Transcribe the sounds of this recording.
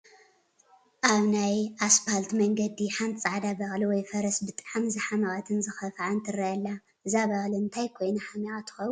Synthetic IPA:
ʔaβnajʔasfalt̪mɐŋɡɐd̪iħant̪ʼt͡sʼaʕd̪abɐxʼliwɔjfɐɾɐsbɨt̪ʼʕamzɨħamaɣat̪ʰɨnzɨxɐfʕant̪ʰɨɾɐɐlːa | ʔɨzaβɐxʼliɨnt̪ʰajkʰo̞jnuħamɐɣat̪ʰɨ̥xɐw

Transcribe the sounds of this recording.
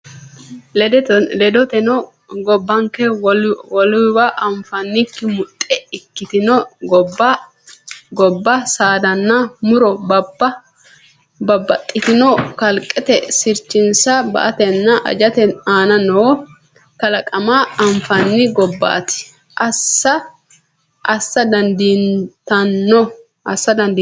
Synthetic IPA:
d̪lɛd̪ɔt̪ɛnɔ | ɡɔbːɐŋkɛwwɔlʊwaʔɐɱfɐnːɪkːɪmʊt̪ʼːɛɪkːɪt̪ɪnɔɡɔbɐ | ɡɔbːɐsaːd̪ɐnːɐmʊɾɔbb | bɐbːɐt̪ʼːɪt̪ɪnɔkɐlkʼːɛt̪ɛsɪɾt͡ʃːɪnsɐbɐ̰ʔɐt̪ɛnːɐʔɐ̰d͡ʒɐt̪ɛaːnɐnoː | kɐlɐkʼɐmaːɐɱfɐnːɪɡɔbːɐ̰ːt̪ɪ̥ | ʔɐsːɐ | ʔɐsːɐd̪ɐnd̪int̪ɐnːɔ | ʔɐsːɐd̪ɐnd̪iː

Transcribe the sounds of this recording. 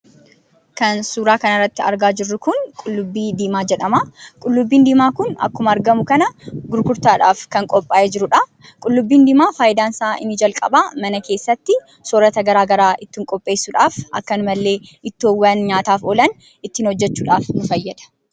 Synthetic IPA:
kɐnsuːɾaːkɐnɐrːɐt̪ːɪɐ̰ɾɡaːd͡ʒɪrːʊkʊnkʼʊlːʊbːiːd̪iːmaːd͡ʒɛᶑɐmakʼʊlːʊbːiːnd̪iːmaːkʊnɐ̰kːʊmɐːɾɡɐmʊkɐnɐɡʊɾkʊɾt̪aːᶑa̰ːfkɐŋkʼɔpʼːaːjɛd͡ʒɪɾʊᶑɐ | kʼʊlːʊbːiːnd̪iːmaːfaːjɪd̪aːnsaːʔɪ̰nːɪd͡ʒɐlkʼɐ̰bamɐnɐke̞ːsːɐt̪ːɪ | sɔːɾɐt̪ɐɡɐɾaːɡɐɾaːʔɪt̪ːɪŋkʼɔpʼːe̞ːsːʊᶑaːfʔɐ̰kːɐnʊmɐlːe̞ːɪt̪ːɪoːwːɐnɲaːt̪aːfɔlɐn | ɪt̪ːɪnhɔd͡ʒːɛt͡ʃːuːᶑa̰ːfnʊfɐjːɐd̪ɐ̥

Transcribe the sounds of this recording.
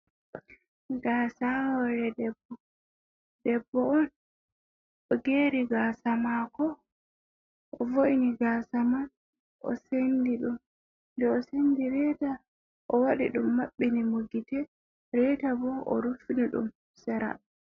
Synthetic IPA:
ɡaːsawɔɾɛdɛbːɔ | dɛbːɔɔn | ɔɡeːɾiɡaːsamakɔ | ʔɔvoʔiniɡaːsaman | ʔɔ̰sendiɗum | ndɛɔsendiɾɛta | ʔɔwaɗḭɗumːaɓːinimoɡitɛ | ɾɛtabɔʔɔ̰ɾufiniɗṵm | saɾa̰

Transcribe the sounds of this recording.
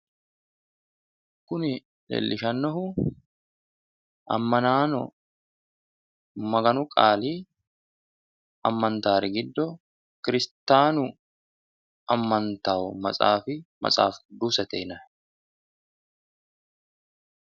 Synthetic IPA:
kʊnɪ | lḛːlːʔɪʃɐnːɔhʊ | ʔɐ̰mːɐnaːnɔ | mɐɡɐnʊkʼaːliː | ʔɐmːɐnt̪aːɾɪɡɪd̪ːɔ | kɪɾɪst̪aːnʊ | ʔɐmːɐnt̪aːʔʊmɐ̰sʼa̰ːfɪmɐ̰sʼa̰ːfd̪uːsɐt̪ɛɪnɐ

